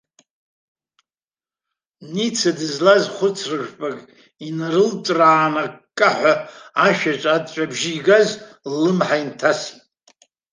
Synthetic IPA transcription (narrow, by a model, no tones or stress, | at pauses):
nit͡sʰadɨzlazχʷʊt͡sʰrɨʒᶣʷpʼakʼ | inaɾɨlt͡ʃʷʼraːnakʼːaħʷaaʃᶣat͡ʃʷʼadt͡ʃʷʼabʒiɡazlɨmħaintʰasi̥t